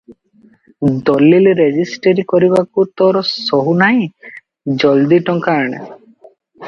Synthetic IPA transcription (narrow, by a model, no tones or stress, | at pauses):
d̪ɔlilɾed͡ʒisʈeɾikɔɾibakut̪ɔɾɔsɔɦunaĩ | d͡ʒɔld̪iʈɔŋkaɽ̃ḛ